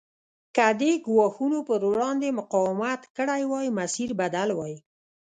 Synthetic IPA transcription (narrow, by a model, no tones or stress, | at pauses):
kad̪eɡwɑxunopəɾwɽɑnd̪emʊqɑwɪmat̪kəɽajwɑjmasiɾbad̪alwɑj